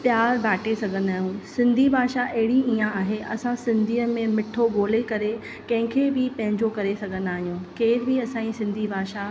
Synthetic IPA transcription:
pjaːɾbʱaːʈʰesɐɡʱənaːɦiũːsɪ̃nd̪ʱibʱaːʃaʔɐɦɪɽiiːãaːɦeʔɐsãsɪ̃nd̪ʱiːəmẽmɪʈʰoɓoːlekɐɾe | kɐ̃ɦɪ̃kʰeːbɪpɐ̃ɦɪ̃ɲd͡ʑokɐɾesɐɡʱənaːɦijũːkeːɾbiɐsãːĩsɪ̃nd̪ʱibʱaːʃa

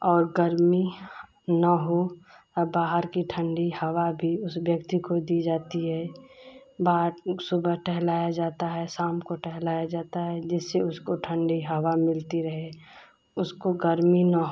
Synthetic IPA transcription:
ɔːɾɡəɾmi | nəɦo | baːɦəɾkiʈʰə̃ɳɖihəʋabʱiʊsʋjəkt̪ikod̪iːd͡ʒaːt̪iɦɛː | baːɦɾsʊbʱəɦʈʰɛɦlaːjad͡ʒaːt̪aɦɛsaːmkoʈʰɛɦlaːjad͡ʒaːt̪aɦɛd͡ʒɪsːeʊskoʈʰə̃ɳɖiɦəwamɪlt̪iɾəɦe | ʊskoɡəɾminəɦ

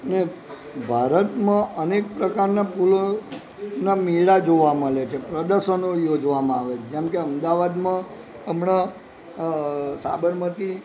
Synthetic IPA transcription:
əne | bʱaɾət̪mãʔənekpɾəkaɾnapulo | namiɭad͡ʒoʋaməɭet͡ʃʰepɾəd̪əɾʃənojod͡ʒʋamãaʋet͡ʃd͡ʒɛmkeəmd̪aʋad̪mã | əmɳa | sa̰bəɾmət̪i

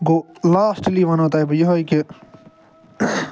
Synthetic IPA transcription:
ɡoːlaːsʈliːʋɐnoːt̪aːjbjeɦoike

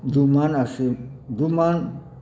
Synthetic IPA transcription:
dumanasiduman

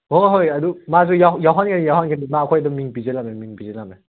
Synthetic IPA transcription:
hoɦojɐdumazujajawɦankʰanijawɦankʰanimaːkʰojdɐmiŋpizelamemiŋpizelame

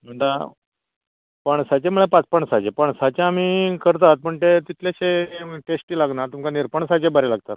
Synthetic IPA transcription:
m̤əɳd̪a | pəɳsat͡ɕeməɭepat͡spəɳ̃sat͡ɕepəɳsat͡ɕjaːmiːkəɾt̪at̪̚pəɳt̪et̪it̪ʰlaɕeʈesʈiːlaɡnat̪umkaniɾpəɳsat͡ɕebəɾelaɡt̪at̪

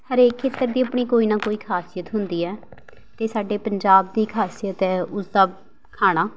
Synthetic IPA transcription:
həɾeːkʰːeːt̪əɾd̪iːəpɳ̃iːkoːiːnãːkoːiːkʰaːsɪjət̪ɦʊnd̪iːɛː | t̪eːsaːɖeːpəɲd͡ʒaːb̚d̪iːkʰaːsijət̪ɛːʊsd̪aː | kʰaːɽ̃aː

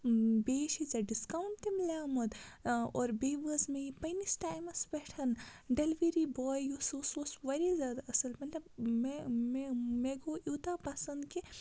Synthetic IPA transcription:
beːʃit͡sɐɖiskawɳʈʈ̪imlʲaːmɐd̪ɔːɾbeːʋɐzmẽipɐjnisʈaːjmɐsbɛʈʰɐnɖelʋeɾibɔːjjosososʋɐɾizjaːd̪aʔɐsɐlmɐt̪lɐbmememeɡoʔut̪apasɐnd̪ke

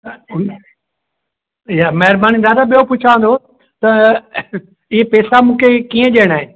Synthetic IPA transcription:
jamɐɦɪɾbaːnid̪aːd̪abijopʊt͡ʃʰaːʋə̃nd̪o | t̪ɐ | ɪɦepeːsamũːkʰekiːə̃ʄeːɽ̃aːɦeː

